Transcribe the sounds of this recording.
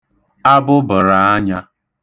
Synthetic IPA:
a˦bʊ˦bʊ˨ɾa˨a˦ɲa˦

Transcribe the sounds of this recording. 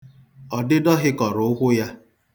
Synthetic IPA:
ɔ˨dɪ˦dɔ˦ɦɪ˦kɔ˨ɾʊ˨ʊ˦ɦʷʊ˦ja˦

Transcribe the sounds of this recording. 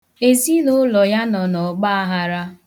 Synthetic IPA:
e˨zi˦no˦lɔ˨ja˦nɔ˨nɔ˨k͡pa˦a˦ɦa˦ɾa˦

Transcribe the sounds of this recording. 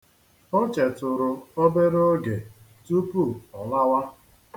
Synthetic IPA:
o˦t͡ʃe˨tʊ˨ɾʊ˨o˦be˦ɾo˦ɡe˨ | tu˦pu˦˨ɔ˨la˦wa˦

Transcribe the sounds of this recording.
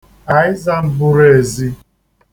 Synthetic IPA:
a˨ɪ˦za˦m̩˦bʊ˦ɾe˨e˨zi˦

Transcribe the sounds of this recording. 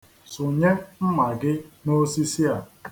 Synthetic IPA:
sʊ˨ɲe˦m̩˦ma˨ɡɪ˦no˦si˦si˦a˨

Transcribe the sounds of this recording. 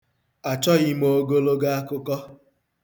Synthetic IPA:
a˨t͡ʃɔ˦ɣɪ˦mo˦˨˦ɡo˦lo˦ɡa˦a˦kʊ˦kɔ˦

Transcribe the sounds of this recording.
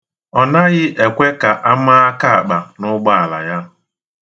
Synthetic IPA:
ɔ˨na˦ɣɪ˦ʔe˨kʷe˦ka˨ʔa˦ma˦a˦ka˦a˨k͡pa˨nʊ˦ɡ͡ba˦a˨la̰˨ja˦

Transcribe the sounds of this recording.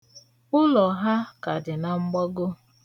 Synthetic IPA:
ʊ˦lɔ˨ɦa˦ka˨dɪ˨na˨ŋ͡m̩˦ɡ͡bɔ˦ɡʊ˦

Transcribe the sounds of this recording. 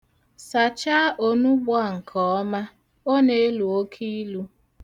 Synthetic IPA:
sa˨t͡ʃa˦ʔo˦nu˦bʊ˦a˦˨ŋ̩˨kʰɔ˨ɔ˦ma˦ | o˦ne˦e˦lu˨o˦kʰi˦lu˦

